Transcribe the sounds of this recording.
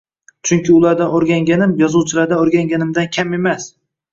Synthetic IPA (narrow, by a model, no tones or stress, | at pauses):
t͡ʃʰʊŋkʲɪʊlˠaɾd̪anoɾɡʲaŋɡʲanɪmjɒzuwt͡ʃʰɪlaɾd̪anoɾɡʲaŋɡʲanɪmd̪ankʲʰame̞mas